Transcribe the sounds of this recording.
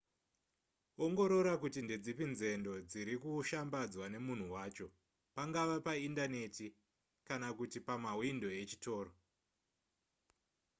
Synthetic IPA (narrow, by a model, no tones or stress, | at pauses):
oŋɡo̞ɾo̞ɾakutinded͡zipinze̞ndo̞d͡ziɾikuʃambad͡zwane̞mun̤uwaːt͡ʃo̞ | paŋɡaʋapaindane̞ti | kanakutipamawindo̞e̞t͡ʃito̞ːɾo